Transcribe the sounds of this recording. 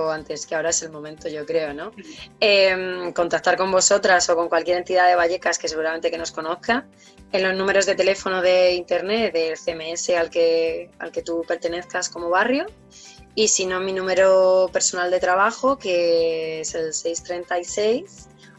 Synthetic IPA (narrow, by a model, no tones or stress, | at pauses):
ant̪e̞skeao̞ɾae̞se̞lmõ̞mẽnt̪oʝo̞kɾe̞ono̞emko̞nt̪ak̚t̪aɾko̞mbo̞so̞t̪ɾaso̞ko̞ŋkwalkje̞ɾe̞nt̪iðaðe̞βaʝe̞kaskes̬e̞ɣ̞uɾament̪eke̞no̞sko̞no̞θka | enlo̞znũme̞ɾo̞zðe̞t̪e̞le̞fo̞noð̞e̞int̪e̞ɾne̞t̪ðelθemeese̞alkea̰lke̞t̪upe̞ɾt̪e̞ne̞θkasko̞mo̞β̞arjo | isino̞mĩnũme̞ɾope̞ɾso̞nald̪e̞t̪ɾaβ̞axo̞ke̞ese̞lse̞jst̪ɾe̞nt̪aise̞js